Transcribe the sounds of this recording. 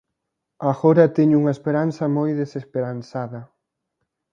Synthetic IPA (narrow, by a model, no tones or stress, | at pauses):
aɣoɾɐt̪eɲuŋɐespeɾanθɐmojðesespeɾanθaðɐ